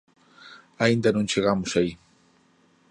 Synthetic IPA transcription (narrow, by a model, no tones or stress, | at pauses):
aɪnd̪anʊnt͡ʃeɣamʊsaj